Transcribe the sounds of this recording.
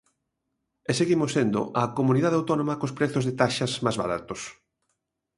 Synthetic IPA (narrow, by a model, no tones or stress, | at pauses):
ɛseɣimosːend̪ʊ̰ʔɐkomuniðaðawt̪ɔnõmɐkospɾɛθozðet̪aʃɐzmazβa̰ɾa̰t̪os